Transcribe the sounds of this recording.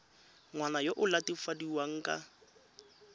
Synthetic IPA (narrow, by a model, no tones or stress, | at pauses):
ŋwanajoʔʊlatɪfadiwaŋ̩kʼa̰